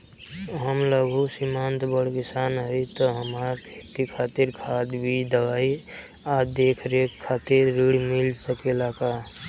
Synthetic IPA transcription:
ɦəmləɡʱusimant̪bəɽ̤kisanɦəit̪ɔɦəmakʰet̪ikʰat̪iɾkʰat̪bʱid̪əʋai | ad̪ekʰɾekʰaːt̪iɾːiɽmilsəkelaka

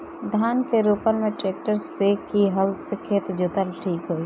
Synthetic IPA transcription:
d̪ʱaːnkeɾuːpənmẽʈeːk̚ʈəɾsekiɦəlsekʰeːt̪d͡ʒʊt̪əlʈʰiːkɦoːi

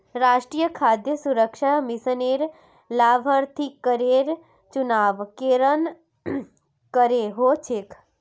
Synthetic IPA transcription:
ɾaʃʈɾijəkʰad̪jəsuɾəkʃamisəneɾ | laʋʱəɾt̪ʰikəɾeɾ | t͡ʃunaʋkeɾən | kəɾeɦot͡ʃʰek

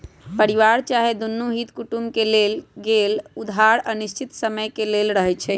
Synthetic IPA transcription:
pəɾiʋaɾt͡ʃaɦed̪unːuɦit̪kuʈumkelelɡelud̪ʱaɾənist͡ʃʰit̪səməjkelelɾəɦɛt͡ʃʰɛ

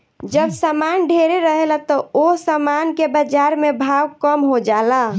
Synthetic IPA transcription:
d͡ʒəbsamanɖʱeɾeɾəɦelat̪ɔosamankebəd͡ʒaɾmebʱawkəmɦod͡ʒala

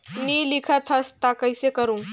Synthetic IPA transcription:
niːlikʰat̪ʰəst̪akəjsekəɾũŋ

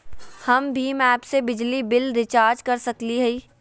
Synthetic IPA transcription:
həmbʱimɛːpsebɪd͡ʒlibɪlɾɪt͡ʃaːɾd͡ʒkəɾsəkliɦɛi

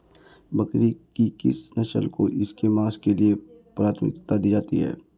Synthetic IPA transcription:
bɐkɾikikɪsnɐʃə̰lkoʔɪskemaːskeliepɾaːt̪ʰəmɪ̰kt̪ad̪iːd͡ʒaːt̪ḭɦɛ̰ː

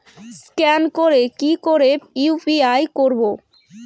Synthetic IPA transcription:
skɛnkoɾekikoɾeiupiajkoɾbo

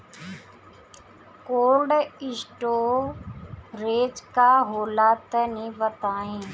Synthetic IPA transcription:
koːlɖɪsʈoː | ɾeːd͡ʒkaːɦoːlaːt̪ənĩːʋət̪aːɦẽː

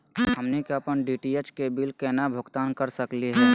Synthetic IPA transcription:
ɦəmnekeəpənɖiʈiet͡ʃkebilkɛːnabʱʊɡt̪aːnkəɾsəkliɦɛː

